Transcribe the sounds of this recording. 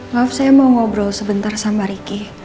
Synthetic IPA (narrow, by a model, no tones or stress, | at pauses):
ŋafsajamaŋɔbɾɔlsəbənt̪arsamaɾiki